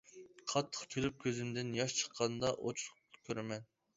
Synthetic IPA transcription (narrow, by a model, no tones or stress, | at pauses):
qʰɑt̪ʰːə̥χkʲʰølyp̚kʲʰøzymd̪ɪnjɑʃt͡ʃʰə̥qʰːɑnd̪ɑʔot͡ʃʰlˠʊ̥q̪kʲʰøɾɪmɛn